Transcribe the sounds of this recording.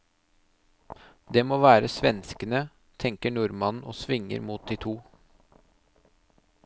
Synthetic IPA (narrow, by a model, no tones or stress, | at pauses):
d̪eːmoːʋæːɾəsʋɛnskənə | t̪ʰɛŋkəɳʊɾmɑnn̩oːsʋɪŋːə̰ɾmuːt̪̚d̪iːt̪ʰuː